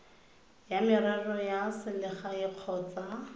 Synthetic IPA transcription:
jamɪrɛrɔjasɪlɪχajɪq͡χʰɔːt͡sa

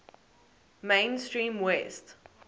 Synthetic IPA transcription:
mẽɪnstɹĩːmwɛst

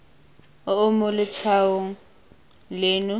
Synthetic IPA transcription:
ʊʊmʊlɪtʰaʊŋ̩ | leːnʊ

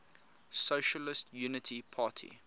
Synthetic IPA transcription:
soʃəlɪstʰjuːnɪtʰipʰɑːˑtʰḭ

